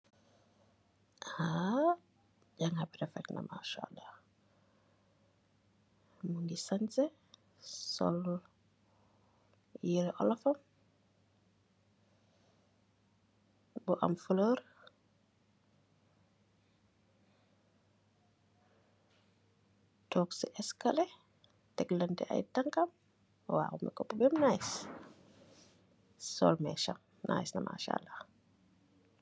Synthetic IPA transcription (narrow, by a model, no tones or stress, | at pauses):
ʔha | ɟaŋhabɾɛfɛkna̰ma̰ʃa̰ːlːɑh | mundisansɛ | sɔ̰l | jiɾʔɔ̰lafam | buʔa̰mfələɾ | tɔːksiʔɛskalɛ | tɛkləntɛʔa̰jtaŋkam | wa̰humɛkɔpːɔbɛmnaːjs | sɔ̰lmɛʃam | nʔa̰ːjsnamʔa̰ʃa̰lːa